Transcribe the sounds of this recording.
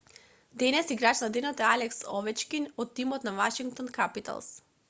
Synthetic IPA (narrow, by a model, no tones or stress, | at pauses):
d̪ɛnɛsiɡɾat͡ʃnad̪ɛnɔt̪ɛalɛksɔvɛt͡ʃkinɔt̪ːimɔt̪navaʃiŋk̚t̪ɔnkapit̪a̰lˠs